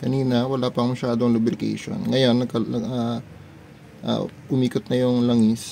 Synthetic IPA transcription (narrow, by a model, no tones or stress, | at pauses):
kɐniːnɐwɐlaːpɐŋmɐʃaːd̪oŋlʊbɾɪkḛjʃo̰nŋɐjo̞nːɐkɐa | ʔa̰ːʔʊmiːkot̪̚nɐjʊŋlɐŋɪs